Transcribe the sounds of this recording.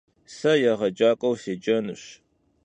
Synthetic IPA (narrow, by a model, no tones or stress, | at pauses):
sɐjɐʁɐd͡ʒaːkʼɐwseːd͡ʒɐnɨɕ